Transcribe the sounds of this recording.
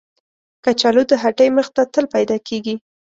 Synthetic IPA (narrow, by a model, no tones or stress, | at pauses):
kat͡ʃalod̪əɦaʈəjməxt̪at̪əlpajd̪ɑkʰeɡi